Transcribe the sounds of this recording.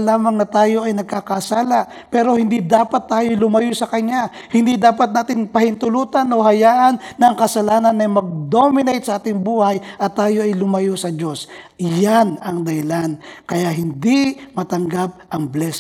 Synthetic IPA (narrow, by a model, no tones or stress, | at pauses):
laːmɐŋnɐt̪aːjo̞ʔɐjnɐɡ̚kakɐsaːlɐ | pɛɾo̞hɪnd̪id̪aːpɐt̪ːaːjo̞lʊmɐjosɐkɐɲa | hɪnd̪id̪aːpɐt̪̚naːt̪ɪŋpɐhɪnt̪ʊluːt̪ɐno̞ɦɐjaːʔɐnːɐŋkɐsɐlaːnɐnːɐjmɐɡ̚d̪o̞mɪnɛjt̪sɐʔaːt̪ɪŋbuːhajʔɐt̪ːaːjo̞ʔɐjlʊmɐjosɐd͡ʒo̞sjanɐŋd̪ɐhɪlankɐjaɦɪnd̪imɐt̪ɐŋɡap̚ʔɐŋblɛs